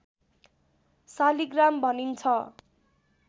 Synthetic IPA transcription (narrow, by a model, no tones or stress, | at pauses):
saliɡrambʱʌnint͡sʰʌ